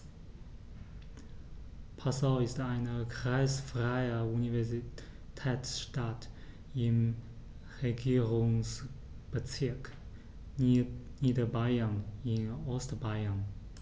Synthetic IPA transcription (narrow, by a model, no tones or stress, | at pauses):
pʰasaʊɪstaɪnəkʁ̥aɪsfʁ̥aɪəunivɛɐzi | tʰɛːt͡ssʃtat | ɪm | ʁeɡiːʁʊŋs | b̥ət͡sɪɐk | niːdɐbaɪɐnɪnɔstbaɪən